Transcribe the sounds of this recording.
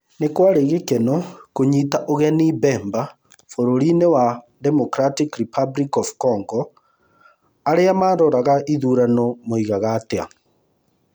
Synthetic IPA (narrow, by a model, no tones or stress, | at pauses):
nekwaɾeɣekɛnɔkoɲitaʔoɣɛnibɛːmba | foɾoɾinewa | ðɛmɔkɾatikɾipʰablikɔfkɔŋɡɔ | aɾeamaːɾɔɾaɣaʔiðuɾanɔmoiɣaɣatea̰